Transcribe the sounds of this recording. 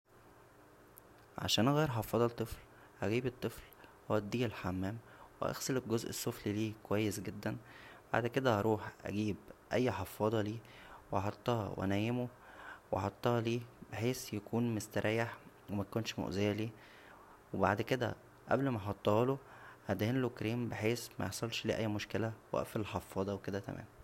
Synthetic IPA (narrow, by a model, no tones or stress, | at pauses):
ʕa̰ʃæːnʔɑɣɑːɾħɑfːɑːd̪ˤɑt̪ˤːefl | hæɡiːbet̪ˤːefl | howæd̪ːiːelħamːæːmwḛʔæ̰xseleɡozʔesːofliliːkowæjːesɡed̪ːænb̥a̰ʕd̪ked̪æʔɑɾˤuːħʔæ̰ɡiːbʔæjːħɑfːɑːd̪ˤɑliː | wʔɑħɑt̪ˤːɑhɑ̰wʔæ̰næjemo | wɑ̰ħɑt̪ˤːɑhɑliːbeħeːsjækʰuːnmest̪æɾʔæːjeħ | wemækonʃmo̰ʔzejæliː | weba̰ʕd̪ked̪æ̰ | ʔæ̰blmæħɑt̪ˤːɑhɑlohæd̪æhenlokɾiːmbeħeːsmæ̰jeħsˤɑlʃlḭːʔæjːmoʃkelæwæ̰ʔfelħɑfːɑːd̪ˤɑweked̪æt̪æ̰mæ̰ːm